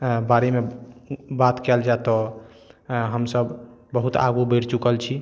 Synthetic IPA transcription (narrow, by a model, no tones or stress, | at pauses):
baɾeme | bat̪kɛld͡ʒaet̪ɔ | ɦəmsəbbəɦut̪a̰ɡubəɾt͡ʃukəlt͡ʃʰi